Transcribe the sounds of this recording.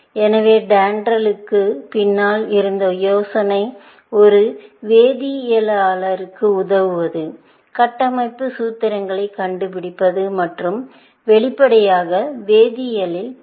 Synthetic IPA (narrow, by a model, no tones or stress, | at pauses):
ɛnɐʋeːɖaːɳɖɾɐlɯkːɯpɪnːaːlɪɾɯnd̪ɐjoːsɐnɐɪ | ɔɾɯʋeːðijɐlaːlɐɾɯkːɯʊðɐʋɯʋɐðɯ | kɐʈːɐmɐɪpːɯsuːt̪ːɐɾɐŋɡɐɭɐɪkɐɳɖɯpɪɽɪpːɐðɯmɐʈrɯm | ʋɛɭɪpːɐɽɐjaːɣɐʋeːðɪjɐlɪl